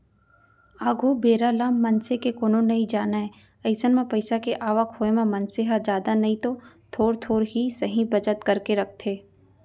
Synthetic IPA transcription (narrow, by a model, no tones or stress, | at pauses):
aːɡʱubeːɾalaːmːɐnsekekoːnõnɐɦĩd͡ʒaːnaɦɛ | ɐɪsənmẽpɐɪsakeʔaːʋəkɦoːemẽmɐnseɦad͡ʒjaːd̪anɐɦĩt̪o | t̪ʰoːɾt̪ʰoːɾɦisɐɦĩbɐt͡ʃət̪kɐɾkeɾɐk̚ʰt̪ʰeː